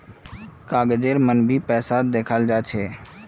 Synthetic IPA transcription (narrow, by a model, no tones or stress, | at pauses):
kaːɡəd͡ʒeːɾmənbʱipɛːsad̪eːkʰald͡ʒaːt͡ʃʰeː